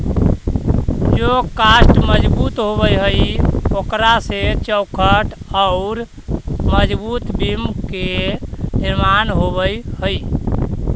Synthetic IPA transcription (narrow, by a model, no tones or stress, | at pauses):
d͡ʒokasʈməd͡ʒbut̪ɦoβəjɦəjokɾaset͡ʃəwkʰəʈaʊɾ | məd͡ʒbut̪bimkeniɾmanɦobəjhəj